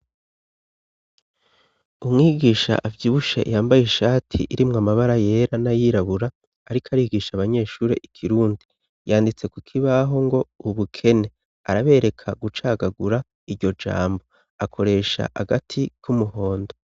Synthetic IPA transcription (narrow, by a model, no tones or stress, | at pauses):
umŋiːɡiːʃa̰ʔavɟiːβuʃḛjaːmbajeʃaːtʰḭʔiɾimŋamaβaɾaje̞ɾanajiːɾaβuɾaː | ɾikʰaɾiːɡiːʃaβaɲe̞ːʃuːɾe̞ʔikʰiɾuːndi | jaːndit͡se̞kukʰiβaɦo̞ŋɡo̞uβukʰe̞ne̞ | a̰ɾaβe̞ːɾe̞kʰaɡut͡ʃaːɡaɡuɾa | iɾɟo̞d͡ʒa̰ːmbo̞ | akʰo̞ɾe̞ʃa̰ʔa̰ɡatʰikʰumuho̞ːndo